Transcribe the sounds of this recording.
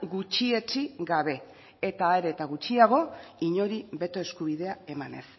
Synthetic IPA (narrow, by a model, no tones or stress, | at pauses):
ɡut͡ʃie̞t͡ʃiɡaβe̞ | et̪aːeɾet̪aɣut͡ʃiaɣ̞o̞iɲo̞ɾiβe̞t̪o̞e̞skuβið̞e̞ae̞mane̞̰s